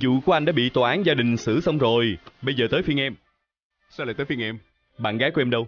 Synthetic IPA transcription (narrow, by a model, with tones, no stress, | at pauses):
zṵ˧˨ku˧˩əʔa˧jŋɗa̰ː˧˥ɓḭ˧˨t̪waː˨ʔaː˨˦nzaː˧ɗï˨˩ŋ̟sɨ̰˧˥sə˧wŋ͡mzo˨˩jɓə˧jzəː˨˩t̪əː˨˦jfi˧ənʔɛ˧m | sa˧laː˨˩jt̪əː˨˦fi˧ə˧ŋʔɛ˧m | ɓa̰ː˧˨nɣaː˨˦ku˧ʔɛ˧mɗə˧w